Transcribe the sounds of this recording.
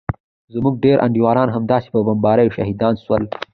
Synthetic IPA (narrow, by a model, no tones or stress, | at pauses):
zmuɡ̚ɖeɾʔa̰ɳɖiwɑːɾɑːnɦamd̪ɑːse̥pəbɐmbɑːɾəjoʃaɦid̪ɑːnswəl